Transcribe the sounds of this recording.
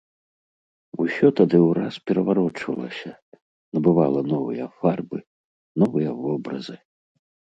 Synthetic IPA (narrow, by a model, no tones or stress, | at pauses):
usʲɔt̪ad̪ɨwɾaspʲɛɾɐvaɾɔt͡ʂvɐ̰lˠɐ̰sʲɐ | nɐbɨvalˠɐnɔvɨjɐfarbɨ | nɔvɨjɐvɔbɾɐzɨ